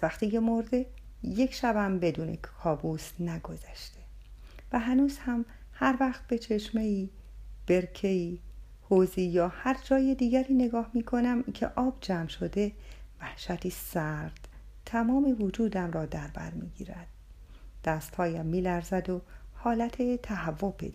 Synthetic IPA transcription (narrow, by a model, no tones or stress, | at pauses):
zvæxt̪iːcʰe̞moɾd̪e̞je̞cʰʃæbæmbe̞d̪uːnʔḛkkʰɒːbuːsnæɡo̞zæʃt̪e̞ | væɦænuːz̥hæm | hæɾvæχt̪̚be̞t͡ʃʰe̞ʃme̞iː | b̥e̞ɾcʰe̞iː | hoziːjɒːhæɾd͡ʒɒːjed̪iːɡæɾiːne̞ɡɒːhmiːkʰo̞næmcʰḛʔɒːb̥d͡ʒæːmʃo̞d̪e̞væhʃæt̪ʰiːsæɾd̪̥ | t̪ʰæmɒːmevod͡ʒuːd̪æmɾɒːd̪æɾbæ̰ɾmḭːɟḭːɾæd̪̥̚ː | æst̪hɒːjæmːiːlæɾzæd̪ohɒːlæt̪ʰet̪ʰæhævːobḛd̪